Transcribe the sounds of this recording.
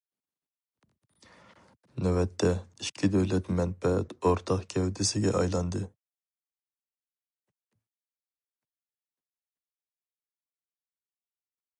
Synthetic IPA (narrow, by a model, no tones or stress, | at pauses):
nɛwɛt̪ʰːɛiʃkʲʰid̪ɛwlɛt̪mɛnfɛɛ̰t̪oɾt̪ʰɑχkʲʰɛwd̪ʰɪsɪɡʲɛ̰ʔɑ̰jlˠɑnd̪ɨ